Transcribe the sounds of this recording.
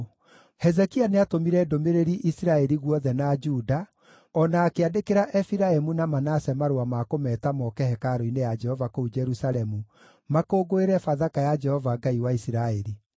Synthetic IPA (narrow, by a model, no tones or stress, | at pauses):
hɛzɛkianeatomiɾɛdomeɾeɾiʔisiɾaɛɾiɣwɔðɛnad͡ʒuːda | ɔnaːkeadekeɾaʔɛfiɾaemunamanasɛmaɾoamakomɛːtamɔkɛhɛkaɾoinejad͡ʒɛhɔvakoud͡ʒɛɾusaɾɛmu | makoːɡoeɾɛfaðakajad͡ʒɛhɔvaɡaiwaisiɾaeɾi